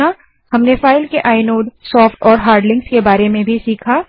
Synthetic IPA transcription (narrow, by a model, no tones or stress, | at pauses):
a | ɦɐmnefaːɪlkeʔaːɪnoːɖsɔːfʈɔːɾɦaːɾɖlɪ̃ŋɡskebaːɾemẽbʱisiːkʰaː